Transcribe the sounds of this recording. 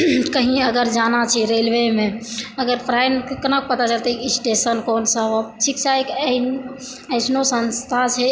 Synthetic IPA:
kəɦĩəɡəɾd͡ʒanat͡ʃʰɛɾelʋemẽəɡəɾpʰɾaɪnkkənək̚pət̪at͡ʃəlt̪ekisʈesənkɔːnsəbot͡ʃʰikt͡ʃaek | əɪsnosənst̪ʰat͡ʃʰɛ

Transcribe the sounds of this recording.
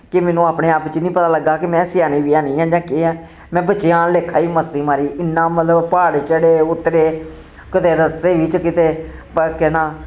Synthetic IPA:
kɪmɛːnũːaːpneːaːpt͡ʃinĩːpət̪aːləɡaːkɪmɛ̃ːsɪjaːniːʋiːaːnĩːãːd͡ʒãːkeːɛ̃ː | mɛ̃ːbət͡ʃːɪjãːleːkʰːaːiːməst̪iːmaːɾiːɪnːãːmət̪ləbpaːɽt͡ʃəɽeːʊt̪ːɾeː | kɪt̪eːɾəst̪eːʋɪt͡ʃkɪt̪eː | kɛːnaː

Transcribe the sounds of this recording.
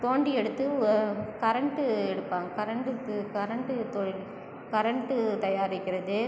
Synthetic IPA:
t̪oːɳɖiɛɽɯt̪ːɯkɐɾɐɳʈɯɛɽɯpːaːŋɡɐkɐɾɐɳʈɯkɐɾɐɳʈɯt̪oɻ | kɐɾɐɳʈːɯt̪ɐjaːɾɪkʲːɪɾɐðɯ

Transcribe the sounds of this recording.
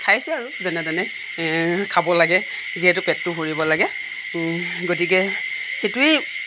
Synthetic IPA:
kʰajsɛaɹuzɛnɛdanɛ | kʰabɔlaɡɛ | ziɛtʊpɛtːʊɦoɹibɔlaɡɛ | ɡot̬ikɛxetui

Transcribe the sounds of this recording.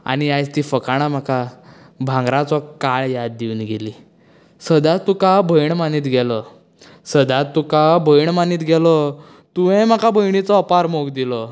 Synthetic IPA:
a̰ñiajt͡st̪ifəkaɽ̃am̤aka | bʱãŋɡɾãt͡sɔkaɭjad̪d̪ːiunɡeli | səd̪at̪ːukabʱəjɳmaniːt̪ɡɛlɔ | səd̪at̪ːukabʱəjɳmaniːt̪ɡɛlɔ | t̪uʋɛ̃m̤akabʱəjɳ̃it͡sɔːpaɾmoɡd̪ilɔ

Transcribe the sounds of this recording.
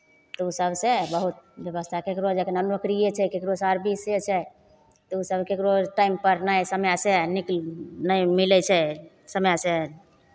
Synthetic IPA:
t̪ɔusəbʱsebəɦut̪̚bjəβəst̪ʰakekɾod͡ʒekenənokɾijet͡ʃʰɛkekɾosaɾbiset͡ʃʰɛ | t̪ɔusəbkekɾoʈaimpəɾnajsəmjaseniklnəjmilɛt͡ʃʰɛ | səmjase

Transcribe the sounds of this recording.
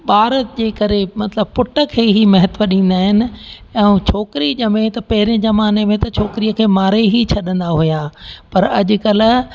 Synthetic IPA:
ɓaːɾət̪d͡ʑeːkɐɾemɐt̪ləb̚pʊʈəkʰeːɦimɐɦət̪ʋəɗĩːn̆d̪aːɦɪnɪ̆ɛ̃t͡ɕʰoːkɪɾiʄəmẽt̪ɐpɐɦɪɾɪ̃zɐmaːnemẽt̪ɐt͡ɕʰoːkɪɾiːəkʰeːmaːɾeɦit͡ɕʰɐɗə̃nd̪aɦujaːpɐɾɐʄʊ̆kɐl̆

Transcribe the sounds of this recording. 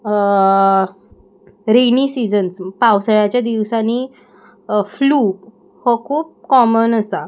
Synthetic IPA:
ɾeniːsid͡zənspawsəɭat͡ɕjad̪iʋsani | fluː | hɔkʰuːp̚kɔmənəst̪a

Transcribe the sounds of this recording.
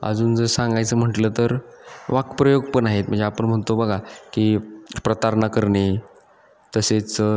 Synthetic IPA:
ə̰d͡zuːnd͡zəɾsãŋɡajt͡səːm̤əʈləːt̪əɾʋakpɾəjoɡ̚pəɳaɦet̪̚m̤əɳd͡zeapəɳm̤əɳt̪obəɡʱakiːpɾət̪aɾɳakəɾɳe | t̪əset͡s

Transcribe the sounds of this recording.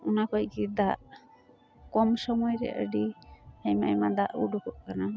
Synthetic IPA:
unakɔjɡid̪aʔ | kɔmsɔmɔjɾɛ̰ʔə̰ɖiajma̰jmad̪aʔuɖɔkɔʔkana

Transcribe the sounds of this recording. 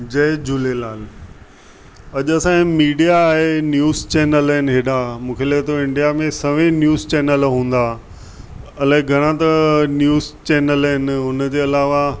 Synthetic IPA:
d͡ʑɐd͡ʑʊlelaːl | ɐʄɐsãmiːɖijaːɦenjuːzt͡ɕeːnəlɦɪnɪ̆ɦeːɗãmũːkʰeːlɐɦɪt̪ʰoɪ̃ɳɖijamẽsɐʋẽnjuːzt͡ɕeːnəlɦũːn̆d̪aː | ɐlaːɦɪ̃ɡʱɐɽ̃ãt̪ɐnjuːzt͡ɕeːnəlɦɪnʊnd͡ʑeːɐlaːʋa

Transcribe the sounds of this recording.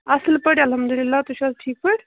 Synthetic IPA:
ɐslpəɽɐlɦɐmd̪ulilːat̪uʃasʈʰiːk̚pəɽ

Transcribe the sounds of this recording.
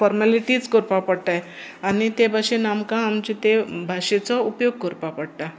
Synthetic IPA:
fɔɾmaliʈit͡skoɾpapəɽʈ̪aj | añit̪ebʱaʂenamkãːmt͡ɕit̪ebʱaʂet͡sɔupjoɡ̚koɾpapəɽʈ̪a

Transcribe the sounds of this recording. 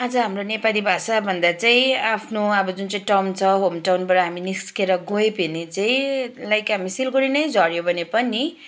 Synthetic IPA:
ʌd͡zʌɦamronepalibʱasabʱʌnd̪at͡saĩapʰnoʌbʌd͡zunt͡saĩʈʌmt͡sʰʌɦomʈawnbʌɾʌɦaminiskeɾʌɡojbenet͡saĩlajkɦamisilɡoɾinʌjd͡zʱʌɾjobʱʌnepʌni

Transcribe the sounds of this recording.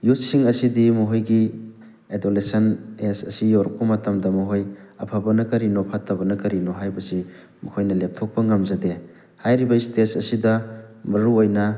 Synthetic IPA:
jut̚siŋɐsidimuɦojɡi | edolesɐnesɐ̰sijoɾkumatamdɐmɔɦojɐpʰabɐnɐkɐɾinopʰatabɐnɐkɐɾinoɦajbɐsi | mukʰojnɐlep̚tʰɔk̚pɐŋamzade | hajɾibɐistesɐsidɐmɐɾuojnɐ

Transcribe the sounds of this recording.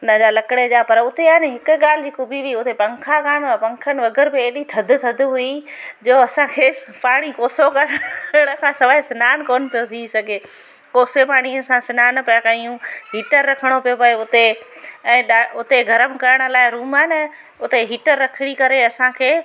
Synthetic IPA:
ʊnəd͡ʑaːlɐkɪɽed͡ʑaːpɐɾʊt̪eaːnɦɪkʊ̆ɠaːl̤ɪd͡ʑiːkʊbʱiɦiʊt̪epɐ̃ŋkʰakaːɽ̃apɐ̃ŋkʰənɪ̆ʋɐɡəɾbɪeːɗit̪ʰɐd̪ʱt̪ʰɐd̪ʱʊɦuid͡ʑoːɐsãkʰeːpaːɽ̃ikoːsokɐɾkɾəɽ̃əkʰãːsɐʋaːɪsɪnaːnkoːnɪ̆pijot̪ʰisɐɡʱe | koːsepaːɽ̃iɐsãsɪnaːnɐpɐjakaijũɦiːʈəɾːɐkʰəɽ̃opijopɐeʊt̪eɛ̃ːɗaʊt̪eɡʱɐɾəmɪ̆kɐɾəɽ̃ə̆laːɪɾuːmaːnɪ | ʊt̪eɦiːʈəɾːɐkʰɪɽ̃ikɐɾeɐsãkʰeː

